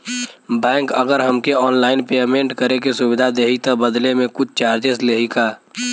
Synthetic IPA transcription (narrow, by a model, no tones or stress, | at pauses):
bɛ̃ːŋkəɡəɾɦəmkeɔːnlaːɪnpeːmẽːɳʈkəɾekesʊwɪd̪ʱad̪eːɦit̪ɔbəd̪lemẽkʊt͡ʃʰt͡ʃaːɾd͡ʒesleːɦikaː